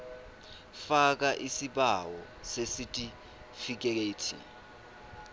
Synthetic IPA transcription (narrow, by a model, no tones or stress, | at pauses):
fak̬aʔisiɓawɔ | sesitʼi | fik̬ɛk̬eːtʰḭ